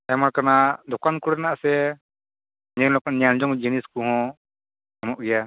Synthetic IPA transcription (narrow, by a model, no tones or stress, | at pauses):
ɛmaɾkanad̪ɔkankuɽɛnaʔsɛ | ɲɛlɔkɔʔɲand͡ʒɔŋd͡ʒiniskuɦɔ̃ | amɔʔɡɛja